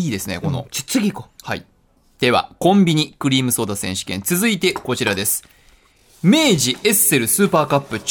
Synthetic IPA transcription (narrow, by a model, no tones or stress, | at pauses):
iːd̪e̞sɨne̞̰ko̞no̞̰i̥t͡sɨɡʲikohaḭ | d̪̥e̞βa̰kõ̞mbʲiɲ̟ikɯ̟ɾʲiːmɯ̟so̞ːd̪asẽ̞ɕi̥kẽ̞nt͡sɨzɨit̪e̞ko̞t͡ɕiɾad̪e̞sɨ̥ | me̞ːʑiʔe̞sɨe̞ɾɯ̟sɨːpaːkapːɯ̟t͡ɕ